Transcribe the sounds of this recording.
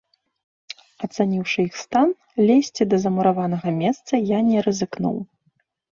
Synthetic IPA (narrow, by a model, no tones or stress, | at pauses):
ɐt̪sanʲiwʂɨixst̪an | lʲɛsʲt͡sʲid̪ɐzɐmuɾavan̪ɐɣɐmʲɛst̪sɐjanʲɛɾɐzɨknṵw